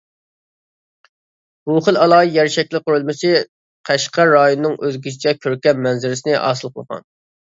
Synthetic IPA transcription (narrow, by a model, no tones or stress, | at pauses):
b̥uχəlˠɑlˠɑːjɛɾʃɛkʲlɪqʊɾulˠmɨʃɨ | qʰæʃqɑɾɑjonɨnɨŋʔøzɡʲiʃʰit͡ʃʰɛkʲʰøɾkʲɛmmɛnzɪɾɪsɪnɪʔɑ̰ːsɨlˠqʰəlˠʁɑ̰n